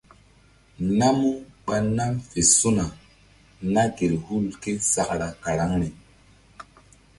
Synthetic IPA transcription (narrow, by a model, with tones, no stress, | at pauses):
na˦mu˦ɓa˧na˦mfe˨su˦na˨ | na˦ɡe˨ɾhu˦lke˦sa˨kɾa˨ka˨ɾa˨˦ŋne˨